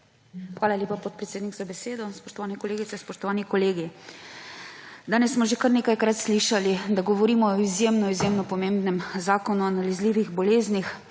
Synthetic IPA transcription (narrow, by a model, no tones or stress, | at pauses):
xʋaːlalʲjeːpapɔt̪̚pɾɛt̪seːd̪niɡzabɛseːd̪ɔspɔ̥ʃt̪ɔʋaːnɛkɔleːɡit̪sɛspɔʃt̪ɔʋaːnikɔleːɡi | d̪aːnɛsːmɔʒekaɾneːkajkɾat̪sliːʃalid̪aɡɔʋɔɾiːmɔɔizjemnɔizjemnɔpɔmẽmbnɛmzaːkɔnuanalizliːʋiɣbɔleːznix